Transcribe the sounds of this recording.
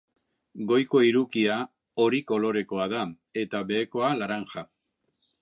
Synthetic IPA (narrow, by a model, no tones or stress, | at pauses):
ɡo̞jko̞iɾukia | oɾiko̞lo̞ɾe̞ko̞aða | e̞t̪aβe̞ːko̞alaɾaŋxa